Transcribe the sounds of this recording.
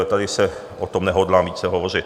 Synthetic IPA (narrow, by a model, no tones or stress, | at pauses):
t̪adɪsɛ | ʔot̪omnɛɦodlaːmviːt͡sɛɦovorɪt̪